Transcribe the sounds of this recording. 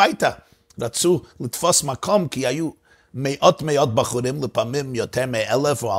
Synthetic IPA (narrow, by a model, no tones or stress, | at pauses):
aɪtɐ | ɾat͡sulˠɪtfɔsmakʰɔmkɪajuː | meɪʔɔtmeɪɔt̚baχʊɾɪmlˠɪpamɪmjɔtʰɛɾmeɛlˠɛfʊa